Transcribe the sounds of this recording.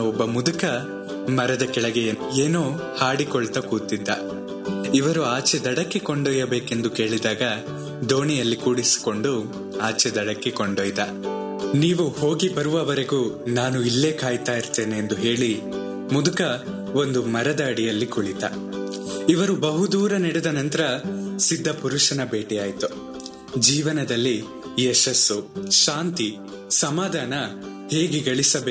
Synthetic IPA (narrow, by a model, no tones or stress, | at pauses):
ɔbːɐmud̪ukɐ | mɐɾɐd̪ɐkɛɭɐɡɛjɐeːnoː | haːɽikɔɭt̪ɐkuːt̪id̪ːɐ | iʋɐɾuaːt͡ʃɛd̪ɐɽɐkːekoɳɖoːjɐbe̞ːke̞nd̪uke̞ːɭid̪aːɡɐ | d̪o̞ːɳijɐlːikuːɽisi̥ko̞ɳɖu | aːt͡ʃɛd̪ɐɽɐkːekoɳɖoːjt̪ɐ | niːʋuho̞ːɡibɐɾuʋɐʋɐɾeɡuːnaːnuilːe̞ːkaːjt̪aːjiɾt̪e̞ːneend̪uɦe̞ːɭi | mud̪ukɐ | o̞nd̪umɐɾɐd̪ɐːɽijɐlːikuɭit̪ɐ̰ | iʋɐɾubɐɦud̪uːɾɐnɛɽɛd̪ɐnɐnt̪ɐɾɐsid̪ʱːɐpuɾuʃɐnɐbe̞ːʈɛjaːjt̪u | d͡ʒiːʋɐnɐd̪ɐlːi | ɛʃɐsːuʃaːnt̪i | sɐmaːd̪ʱaːnɐ | he̞ːɡeɡɐɭisɐbeː